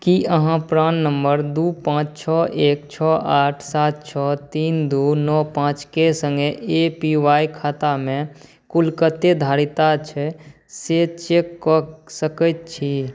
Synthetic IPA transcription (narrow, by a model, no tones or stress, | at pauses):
kiʔəɦãpɾãːnːəmbəɾd̪uːpãːt͡ʃt͡ʃʰɔːʔeːkt͡ʃʰɔːʔaːʈʰsaːt̪̚t͡ʃʰɔːt̪iːnd̪uːnɔːpãːt͡ʃkesə̃ŋɡeepiwaːikʰaːt̪amẽ | kʊlkət̪ːed̪ʱaːɾit̪at͡ʃʰɛ | set͡ʃeːkːɔsəkət̪̚t͡ʃʰi